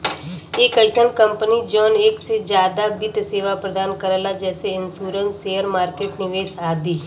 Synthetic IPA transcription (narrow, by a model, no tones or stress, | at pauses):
eːkəlsənkə̃mpnid͡ʒɔːneːksed͡ʒjaːd̪abɪt̪seːʋapɾəd̪aːnkəɾəlad͡ʒɛːseɪnsuːɾənseːəɾmaːɾkeːʈnɪʋeːʃaːd̪iː